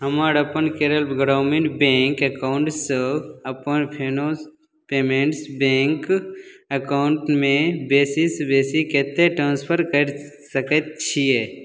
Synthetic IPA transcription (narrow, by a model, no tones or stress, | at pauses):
ɦəmaɾəpənkeːɾəlbɡɾaːmeɳʈbeŋkəkaʊɳʈsəəpənpʰeːnos | peːmẽɳʈsbẽːŋkəkaʊɳʈmẽbeːsisbeːsikeːt̪eʈɾãːnspʰəɾkəɾ | səkət̪̚t͡ʃʰije